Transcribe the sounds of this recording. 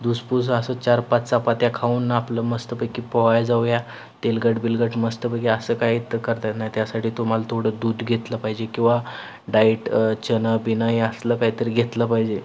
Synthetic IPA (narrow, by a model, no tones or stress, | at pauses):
d̪uspus̬əsət͡ɕaɾpat͡st͡sapat̪jakʰauːnːpləməst̪əpəkipɔɦjad͡zawja | t̪elɡəʈbilɡəʈməst̪əpəkiəsəkaɦit̪kəɾt̪ajt̪najt̪jasaʈiːt̪om̤alat̪ʰoɽəd̪uːd̪ɡʱet̪ləpaɦid͡ʑekĩw̃ʋa | ɖaiʈt͡ɕənəbinəjəsləkaɦit̪əɾɡʱet̪ləpaɦid͡ʑe